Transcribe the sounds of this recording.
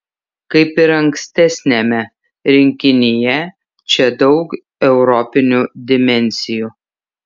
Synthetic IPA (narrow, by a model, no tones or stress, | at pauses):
kɐɪpɪɾɐŋksʲt̪ʲɛsʲnʲɛmʲɛ | ɾʲɪŋʲkʲɪnʲɪjɛ | t͡ʃʲɛd̪ɒʊk | ɛʊɾɔpʲɪnʲud̪ʲɪmʲɛnʲsʲɪjuː